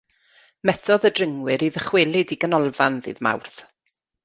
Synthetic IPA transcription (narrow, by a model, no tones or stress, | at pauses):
mɛθɔðədrəŋwɪɾiðəχwɪlˠɪdiɡənɔlˠvanðɨ̰ðma̰wrθ